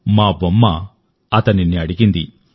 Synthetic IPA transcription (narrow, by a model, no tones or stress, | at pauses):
maːbɐmːɐ | ɐt̪ɐniniɐɽiɡind̪i